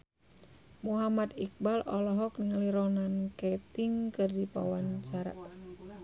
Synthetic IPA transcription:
muɦamad̪ik̚balɔlɔɦɔkniŋaliɾɔnankɛt̪iŋkɨrdipa̰waɲt͡ʃaɾa̰ʔ

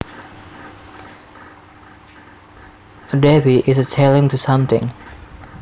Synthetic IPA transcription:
ədebiʔɪs̬ətʰelɪ̃ŋt̪ʰusʌ̃mt̪ɪ̰̃ŋ

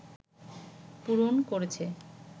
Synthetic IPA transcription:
puɾonkoɾet͡ɕʰe

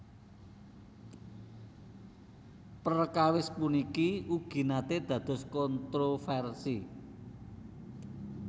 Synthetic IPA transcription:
pərkawɪspunikiuɡ̥i̤nat̪ed̪̥ä̤d̪̥ɔ̤skɔnt̪ɾofɛrsi

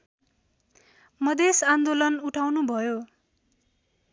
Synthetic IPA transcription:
mʌd̪esand̪olʌnuʈʰawnubʱʌjo

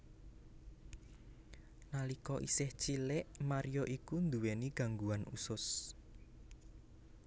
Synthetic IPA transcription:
nalikɔʔisɪht͡ʃilɪʔmaɾijoʔikund̪uweniɡ̥a̤ŋɡuanṵsʊs

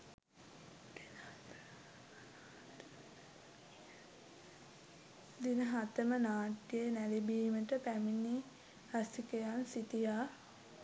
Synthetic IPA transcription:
d̪inəɦat̪əmənaːʈjənælibiːməʈəpæmini | hasikəjansit̪ijaː

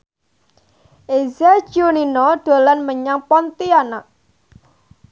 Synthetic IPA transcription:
ʔezḁd͡ʒʒ̥oninɔɖ̪̥o̤lanməɲaŋpɔnt̪ianaʔ

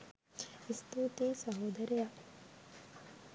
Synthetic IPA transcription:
ist̪uːt̪eːsɐɦoːd̪ɐɾeja

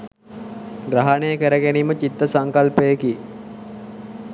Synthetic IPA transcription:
ɡɾaɦanejəkəɾəɡeniːmət͡ʃit̪ːəsaŋkalpəjəki

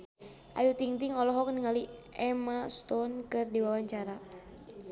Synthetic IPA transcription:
ʔa̰jut̪iŋt̪iŋɔlɔɦɔk̚niŋaliɛmast̪ɔnkɨrdiwawaɲt͡ʃaɾa

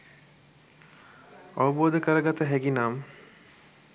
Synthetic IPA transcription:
ɔbood̪ekaɾaɡat̪aɦɛɡinam

